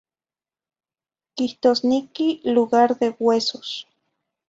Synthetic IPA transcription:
kiht̪osnekiluɣaɾðewwesos

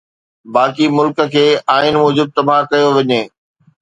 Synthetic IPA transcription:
baːkimʊlkə̆kʰeːaːɪnmɔːd͡ʑuːd̪̚t̪ɐb̤ʱãkɐjoʋɐɲeː

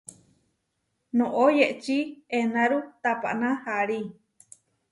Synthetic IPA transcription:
nõʔojeʔt͡ʃienãɾut̪apa̰ʔnãhaɾi

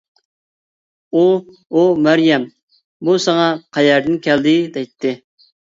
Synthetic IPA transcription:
u | umæɾjɛm | busɑŋɑqʰɑjɛɾd̪ɪnkʲʰɛld̪ɪd̪ɛjt̪ʰːɪ

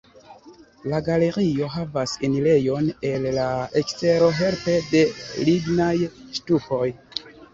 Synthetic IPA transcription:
laɡale̞ɾio̞ɦavasinile̞jo̞ne̞lːaekste̞ɾo̞ɦe̞lpe̞de̞liɡnajʃtuko̞j

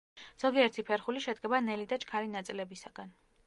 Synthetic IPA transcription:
z̥ɔɡiɛɾt̪ʰipʰɛɾχuliʃɛd̪ɡɛbanɛlid̪at͡ʃʼkʰaɾinat̪sʼilɛbisaɡ̥an

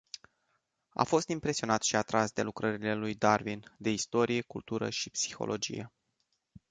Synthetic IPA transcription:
a̰fo̞st̪impɾe̞sio̞nat̪ʃiat̪ɾasd̪e̞lukɾəɾile̞lujd̪arvind̪e̞ist̪o̞ɾije̞kult̪uɾə̰ʃipsi̥xo̞̰lʔo̞d͡ʒḭje̞̰

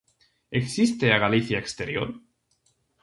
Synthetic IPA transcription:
eksist̪eaɣaliθjaekst̪eɾjo̰ɾ

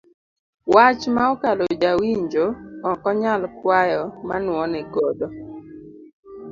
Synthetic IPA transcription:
wat͡ʃmaɔkalod͡ʒawiɲd͡ʒoɔkɔɲalkwajɔma̰nwɔnɛɡɔdɔ

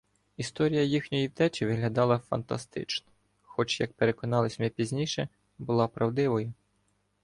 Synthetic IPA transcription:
ist̪ɔɾʲijɐjixnʲɔjiwd̪ɛt͡ʃʲiʋɪɦlʲɐd̪ɑlˠɐfɐ̰nt̪ɐ̰st̪ɪ̰t͡ʃnɔ̥ | xɔt͡ʃjɐk̚peɾekɔnɑlˠɪsʲmnɛpʲizʲnʲiʃɛ | bʊlˠɑpɾɐwd̪ɪʋɔjʊ

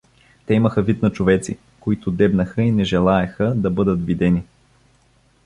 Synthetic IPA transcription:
t̪ɛiməxəvit̪nɐt͡ʃovɛt̪sḭ | koit̪ʊd̪ɛbnəxəinɛʒɛlˠaɛxəd̪ɐbɤd̪ət̪vid̪ɛni

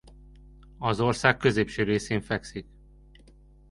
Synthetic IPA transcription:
ɒzo̞rsaːkːø̞zeːpʃøːɾeːseːɱfɛksik

